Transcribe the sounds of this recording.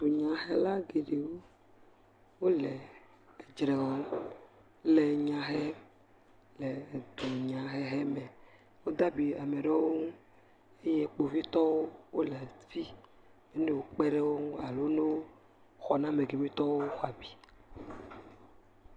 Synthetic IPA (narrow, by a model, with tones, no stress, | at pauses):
d̪o˨ɲã˨ɦe˦la˦ɡe˨ɖe˨wo˦ | wo˦le˨ | d͡ʒɾɛ˨ɣɔ˦n | le˨ɲã˨ɦe˦ | le˨d̪o˨ɲã˨ɦe˦ɦɛ˦mɛ˨ | wo˦d̪a˦bi˨a˨me˨ɖe˦wo˦ŋũ˦ | e˦je˦k͡po˨vi˦t̪ɔ˦wo˦wo˦lɛ˨vi˦ | me˦ne˦˨wo˨k͡pɛ˦ɖe˦wo˦ŋu˦a˨lo˦ne˦wo˦ | xɔ˨nã˦me˨ɡe˨mĩ˦t̪ɔ˦wo˦xa˨bi˨˦